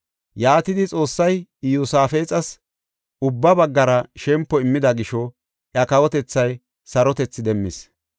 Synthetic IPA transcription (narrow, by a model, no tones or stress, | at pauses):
jaːt̪ɪd̪ɪt͡sʼo̞ːsːɐjɪjusaːfe̞ːt͡sʼɐs | ʊbːɐbɐɡːɐɾɐʃɛmpːɔɪmːɪd̪ɐɡɪʃɔ | ʔjɐkɐwɔt̪ɛt͡sːɐj | sɐɾɔt̪ɛt͡sːɪd̪ɛmːɪs